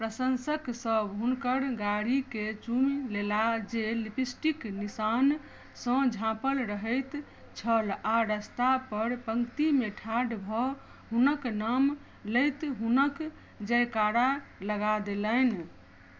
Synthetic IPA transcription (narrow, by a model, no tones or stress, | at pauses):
pɾəsənsəksəbɦunkəɾɡaɽiket͡ʃumlelad͡ʒelipisʈiknisan | sə̃d͡ʒʱãpəlɾəɦəjt̪ | t͡ʃʰəlaɾəst̪apəɾpəŋɡt̪imeʈʰaɖbʱɔ | ɦunəknam | ləjt̪ɦunək | d͡ʒəjkaɾaləɡad̪elən